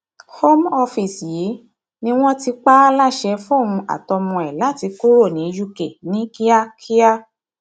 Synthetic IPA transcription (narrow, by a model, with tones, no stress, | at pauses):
ho˦mɔ˧fi˨sji˨˦ | nĩ˦w̃ɔ̃˦ti˧k͡pa˦la˦˨ʃɛ˧fɔ̃˦˨ũ˧a̰˨tɔ˧mɔ̃˧ɛ˨la˨˦˨ti˨˧ko˦ɾo˦˨nĩ˨˦ju˦ke˨nĩ˦ki˦a˦kʰi˦a˦